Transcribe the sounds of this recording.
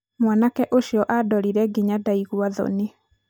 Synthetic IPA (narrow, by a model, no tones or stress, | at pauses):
mwanakɛʔoʃjɔʔadɔɾiɾɛɡiɲadaiɣwaðɔ̰ne